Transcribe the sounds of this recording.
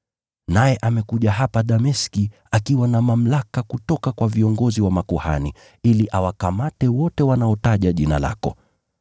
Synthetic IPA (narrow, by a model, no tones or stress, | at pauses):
najɛʔamɛkuʄaɦapaɗamɛski | akiwanamam̩lakakutɔkakwaviɔŋɡɔziwamakuha̰ni | iliʔawakamatɛwɔtɛwanaɔtaʄaʄina̰la̰kɔ̰